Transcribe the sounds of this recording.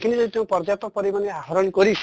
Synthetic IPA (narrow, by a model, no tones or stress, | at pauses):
kʰinid͡ʒɔd̪it̪eũpɔɾd͡ʒat̪ɔpɔɾimaneaɦɔɾɔnkɔɾisʰ